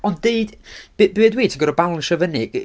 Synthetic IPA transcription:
ɔndeɨd̥b̥bɪɛdwejtʰəɡɔɾɔbalˠnʃɛvənɪɡ̥

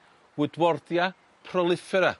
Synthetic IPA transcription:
wɪdwɔrðja | pʰrɔlˠɪfɛɾa

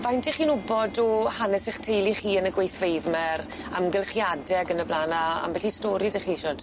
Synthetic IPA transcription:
vajntʰiχiːnʊbɔdɔhanɛsɛχtʰejlˠiχiːənəɡwejθvejvmɛɾ | amɡɛlˠχjadɛɡənəblaːnaa̰mbɛɬistɔɾideχiːɪʃɔd̥

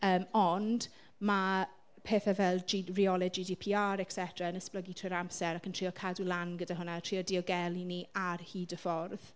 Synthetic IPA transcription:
əːmɔnd | ma | pʰeːθavɛlˠd͡ʒiriɔlɛdd͡ʒidipʰiːaɾɛksɛtʰraənəspləɡitʰɪɾamsɛɾakʰəntʰr̥iːɔkʰadulˠanɡədaɦʊnatʰr̥iːɔdiɔɡɛlˠiniarhiːdəfɔrð̥

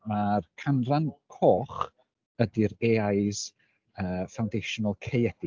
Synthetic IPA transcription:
markʰanrankʰɔːχ | ədiɾeːajs | əːfawndejʃɔnəlˠkʰejɛdi

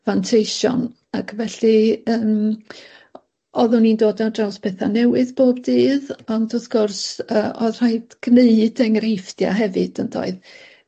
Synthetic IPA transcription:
vantʰejʃɔ̰n | akʰvɛɬɨəːm | ɔðʊnindoːdadrawspʰɛθanɛwɨðboːbdiːðɔndɔθɡ̥ʊrsəːʔɔðr̥aɨdɡ̥neɨd̥ɛŋrejftja̰ɦɛvɨd̥əndo̰ːɨð

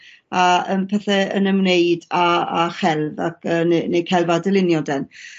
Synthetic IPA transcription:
aəmpʰɛθɛə̰nəmneɨdaaχɛlˠvakʰəːnnejkʰɛlˠvadɛlˠɪnjɔdɛn

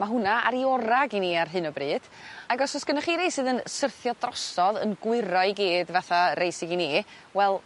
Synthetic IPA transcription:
maɦʊnaaɾiɔɾaɡiniːarɦɨnɔbrɨːd̥ | aɡɔsɔsɡ̥ənaχiːɾejsɨːðənsərθjɔdrɔsɔðə̰nɡwɪɾɔɨɡiːdvaθarejsɪɡiniː | wɛlˠ

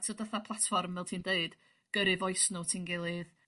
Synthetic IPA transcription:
tʰədəθapʰlˠatfɔrmvɛlˠtʰiːndeɨd̥ | ɡ̥əɾɨvɔɨsnɔtʰiːnɡɪlˠɨð

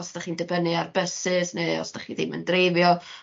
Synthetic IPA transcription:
ɔsd̥aχiːndəbənɨarbəsɨsneɔ̰sd̥aχiðimə̰ndrevjɔ

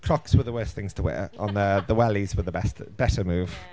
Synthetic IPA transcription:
kʰɹ̥ɒkswəðəwɜˑsθɪ̃ŋz̥tʰəwɛ̰ːɹʔə̃nðəðəwɛlizwəðəbɛstəb̥ɛtəmʉːv̥

